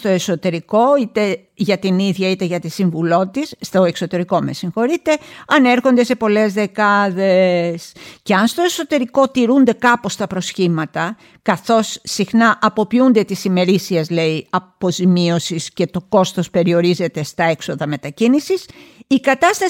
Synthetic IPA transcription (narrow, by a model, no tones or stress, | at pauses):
t̪o̞e̞so̞t̪e̞ɾiko̞it̪e | ʝɐt̪iniðʝɐit̪e̞ʝɐt̪isiɱvulo̞t̪isːt̪o̞e̞ksot̪e̞ɾiko̞mḛsiŋxo̞ɾit̪e̞ɐneɾxo̞nd̪e̞se̞po̞le̞zðe̞kɐðe̞sce̞ɐnst̪oe̞so̞t̪e̞ɾiko̞t̪iɾund̪e̞kɐpo̞st̪ɐpɾo̞sçimɐt̪ɐ | kɐθo̞sːixnɐʔɐpo̞piund̪e̞t̪isime̞ɾisiezle̞iɐpo̞zimio̞sisce̞t̪o̞ko̞st̪o̞spe̞ɾio̞ɾize̞t̪e̞st̪ɐe̞kso̞ðɐme̞t̪ɐcinisisikɐt̪ɐst̪ɐ